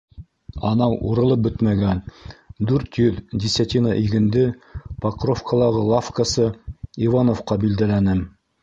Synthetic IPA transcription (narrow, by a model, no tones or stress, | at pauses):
ɑnɑwṵɾɤ̆lˠɤp̚bɵt̪mæɡænd̪ʉɾt̪jɵðdʲɪsʲat̪ʲinɑʔiɡɘ̆nd̪ɘpɑqrofkəlˠɑʁɤlˠafkəsɤivanofqɑbild̪ælænɘm